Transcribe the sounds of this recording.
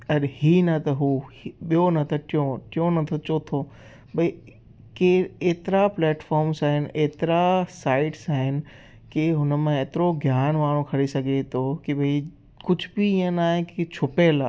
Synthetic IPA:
ɐɗhinɐt̪ɐɦuːɓijonɐt̪ɐʈɪjõʈɪjõnɐt̪ʰot͡ʃoːt̪ʰo | bɐi | keeːt̪ɪɾaplɛːʈfɔːɾmsaːɦɪnɪʔeːt̪ɪɾasaːɪʈsaːɦɪnɪ̆ | keɦʊnəmãeːt̪ɪɾoɡʱjaːnʋaːɽ̃okʰɐɾesɐɡʱet̪ʰokibʱɐi | kʊd͡ʑʱbiɪ̃ə̃naːɦẽkit͡ɕʰʊpelaː

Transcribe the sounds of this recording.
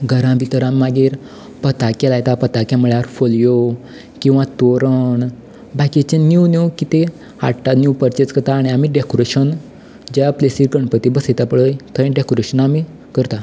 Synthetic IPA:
ɡʱəɾãbʱit̪əɾãmːaɡiːɾ | pət̪akelajt̪apət̪akjãməɭjaɾfoljo | kĩw̃ʋãt̪oɾəɳ | bakit͡ɕẽnjunjukit̪e | ha̰ʈanjupəɾt͡ɕet͡skət̪aːɽ̃iamiɖekoɾeɕən | d͡ʑaaplesiːɾɡəɳpət̪ibəsajt̪apəɭəjt̪ʰə̃ɖekoɾeɕənami | kəɾt̪a

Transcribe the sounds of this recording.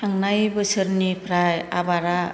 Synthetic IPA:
aŋnajbɯsɯɾnipʰɾaja̰baɾa

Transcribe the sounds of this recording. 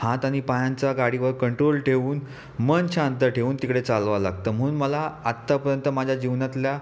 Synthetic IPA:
hãt̪aɽ̃ipajãnt͡saɡaɽiʋəɾkəɳʈɾolʈʰeʋuːn | mənɕãnt̪əɾʈʰeʋuːnt̪ikɽet͡salʋala̰ɡ̚t̪əm̤əɽ̃uːnməlaat̪ːapəɾjənt̪əmad͡ʑʱjad͡ʑiʋnat̪lja

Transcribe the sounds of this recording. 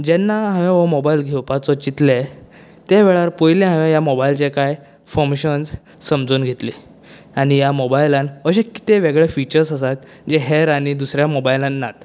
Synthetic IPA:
d͡ʑɛnːaɦãʋẽʋəmɔbailɡʱɛwpat͡sɔt͡ɕit̪le | t̪eʋeɭaɾpɔjlẽɦãʋẽjamɔbailt͡ɕekaj | fomɕənd͡z | səmd͡zuːnɡʱet̪li | aɽ̃ijamɔbajlãnəɕeki̥t̪eʋeɡɭefit͡ɕəɾsəs̬at̪ | d͡ʑeɦeɾaɽ̃id̪usɾjamɔbajlãnːat̪

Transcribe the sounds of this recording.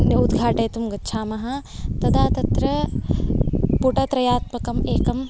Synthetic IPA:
eud̪ɡʱaːʈɐːt̪umɡɐtːt͡ʃʰaːmɐɦɐt̪ɐd̪aːt̪ɐt̪ɾɐ | puʈɐt̪ɾɐjaːt̪mɐkɐmeːkɐm

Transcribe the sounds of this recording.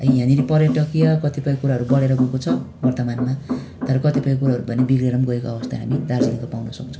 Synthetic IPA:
ʌĩɦaniɾipʌɾjʌʈʌkijʌkʌt̪ipʌj̃kuɾaɦʌɾubʌɽeɾʌbʱukot͡sʰʌ | bʌrt̪ʌmanma | t̪ʌɾʌkʌt̪ipʌj̃kuɾaɦʌɾubʱʌnebiɡɾeɾʌmɡʌekoʌbʌst̪aɦa̰mid̪ard͡zinikopawnʌsʌk̚t͡sʰʌ̥̃

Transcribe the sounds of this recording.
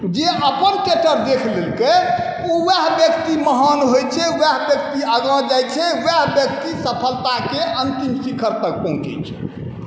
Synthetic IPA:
d͡ʒeʔəpənkeʈəɾd̪ekʰlelke | owɛɦbjəkt̪iməɦanɦojt͡ʃʰɛwɛɦbjək̚t̪iəɡãd͡ʒajt͡ʃʰɛwɛɦbjək̚t̪isəpʰəlt̪akeənt̪imsikʰəɾt̪ək̚pɔ̃ɦũt͡ʃɛ̰t͡ʃʰɛ̥

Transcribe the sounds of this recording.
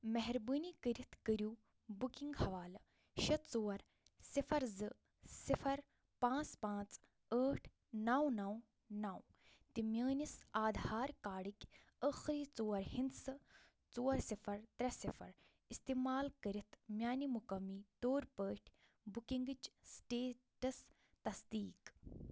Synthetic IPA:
mɛɦɾbəːnikəɾit̪ʰkəɾʲjuː | bukiŋɡhɐʋaːlɐ | ʃɐt̪t͡soːɐɾ | sifʰɐɾzɨ | sifʰɐɾ | pãːt͡spãːt͡s | əːʈʰ | nawnaːw | naːw | t̪imjaːnisaːd̪ʱaːɾkaːɽikʲ | əːxɾiːt͡soːɐɾhind̪sɨ | t͡soːɐɾsifʰɐɾt̪ɾɐsifʰɐ̰ɾ | ist̪iːmaːlkɐɾit̪ʰmʲjaːnimukɐmːiːt̪oːɾpəːʈʰ | bukiŋɡɨt͡ʃsʈeːʈɐs | t̪ɐsd̪iːk

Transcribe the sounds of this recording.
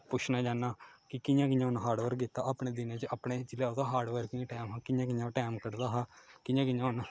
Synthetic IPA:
pʊt͡ʃʰnaːd͡ʒaːnːaːkɪkɪjãːk̬ɪjãɦʊnɦaːɖʋəɾkit̪ːaːʔapneːd̪ɪnẽːt͡ʃəʔapɳeːt͡ʃɪleːot̪ãːɦaːɖʋəɾkɪãːʈɛːmɦãːkɪjãːk̬ɪɲãːʈɛːmkəɾd̪aːɦaːkɪjãːkɪjãːɦʊn

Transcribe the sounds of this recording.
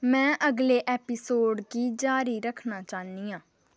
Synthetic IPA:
mɛ̃ːʔəɡleːʔɛːpɪsoːɖkiːd͡ʒaːɾiːɾəkʰnaːt͡ʃaːniːãː

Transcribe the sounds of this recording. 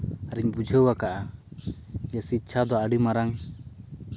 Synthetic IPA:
aɾiɲbud͡ʒʱəwakaʔa | jasitːt͡ʃʰad̪ɔəɽimaɾaŋ

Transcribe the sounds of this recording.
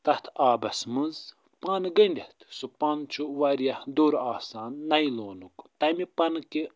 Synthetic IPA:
t̪ɐt̪ʰaːbɐsmɨz | paːnɡɐɳɖʲɐht̪supaːnt͡ʃʰuʋɐɾijɐhd̪oɾaːsaːnːɐjloːnukt̪ɐmipɐnke

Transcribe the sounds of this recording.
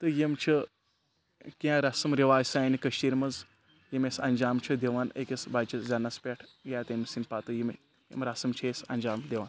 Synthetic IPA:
t̪ɨjemt͡ʃʰɐ | kʲaɾɐsɐmɾiʋaːjsaːjnikɐʃiːɾmɐz | jimesɐnʲd͡ʒaːmt͡ʃʰɐd̪ʲeʋaːnekʲesbaːjt͡ʃɐzʲanɐspʲeʈʰɡʲaːt̪emisinpat̪ɨjim | jḛmɾasɐmt͡ʃʰesɐ̰nʲd͡ʒaːmd̪ʲeʋan

